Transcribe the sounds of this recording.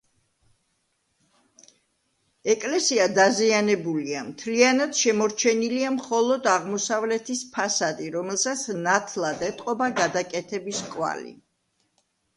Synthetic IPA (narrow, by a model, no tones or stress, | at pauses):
ɛkʼlɛsiad̪azianɛbuliamt̪ʰlianad̪̥ʃɛmɔɾt͡ʃʰɛniliamχɔlˠɔd̪aʁmɔsavlɛt̪ʰispʰasad̪iɾɔmɛlˠsat̪sʰnat̪ʰlˠad̪ɛt̪ʼqʼɔbaɡad̪akʼɛt̪ʰɛbiskʼwa̰lḭ